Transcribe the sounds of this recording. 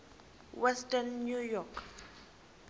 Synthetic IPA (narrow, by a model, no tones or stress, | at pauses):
wɛstʼanːujɔkʰ